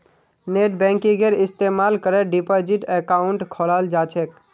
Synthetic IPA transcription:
neʈ̚bɛ̃ŋkiɡeɾist̪emalkəɾeɖipɔd͡ʒiʈekauɳʈkʰoləld͡ʒat͡ʃʰɛk

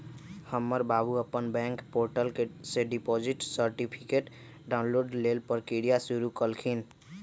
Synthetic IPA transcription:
həmːəɾbabuəpːənbɛ̃ŋkpoɾʈəlkeseɖipɔd͡ʒiʈsəɾʈipʰikeʈ | ɖaunloɖlelpəɾkiɽijasuɾukəlkʰin

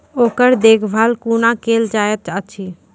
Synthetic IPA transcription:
oːkəɾd̪eːkʰbʱalkunakeld͡ʒajət͡ʃət͡ʃʰi

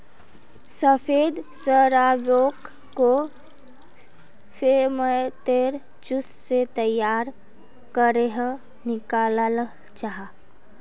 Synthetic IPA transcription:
səpʰeːd̪səɾajoːkː | o | pʰemət̪eːɾ | t͡ʃʊsset̪əjaːɾ | kəɾeɦ | nɪkaːlal | t͡ʃaɦa

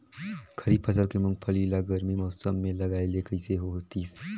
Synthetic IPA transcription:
kʰɐɾiːpʰɐsəlkemʊ̃ŋɡpʰəlilaɡəɾmimɔːsəmːẽlɐɡaːeleːkəiseɦoːt̪iːs

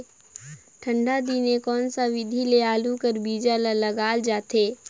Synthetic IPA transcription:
ʈʰə̃ɳɖad̪iːnekɔːnsaʋɪd̪ʱileaːlukəɾbiːd͡ʒalaləɡaːld͡ʒaːt̪eː

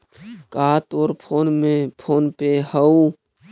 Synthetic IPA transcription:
kaːt̪oːɾpʰoːnmepʰoːnpehəu

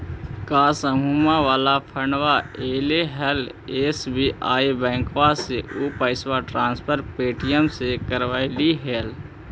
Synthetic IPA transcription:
kaːsəmʱumaʋaːlapʰəɾɳʋaeːleɦeleːsbiʔaːibɛ̃ːŋkʋaseupəɪswaʈɾãːnspʰəɾpeːʈʰijəmsekəɾʋaɪliɦeːl

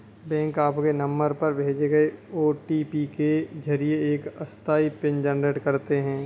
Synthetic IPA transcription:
bɛ̃ːŋkaːpkenɐ̃mbəɾpɐɾbʱeːd͡ʒeɡɐeoːʈipiked͡ʒʱɐɾijeeːkɐst̪ʰaːipɪ̃nd͡ʒɛːnɾeːʈkɐɾt̪eɦɛ̃ː

